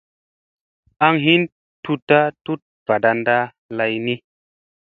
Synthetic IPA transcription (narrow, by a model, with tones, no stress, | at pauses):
a˦ŋɦi˦n | tu˧ta˦tu˦t̚v̥a˨da˧nda˦ | la˧jni˦